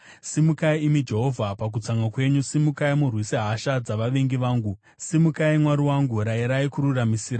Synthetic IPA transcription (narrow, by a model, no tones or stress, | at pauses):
simukaiːmid͡ʒe̞ɦo̞vʱapak̬ut͡saŋɡakwe̞ɲusimukaimurwisiɦaʃad͡zaʋaʋeŋɡiʋaːŋɡu | simukaimwaɾiwaŋɡuɾaiɾaikuɾuramisiːɾa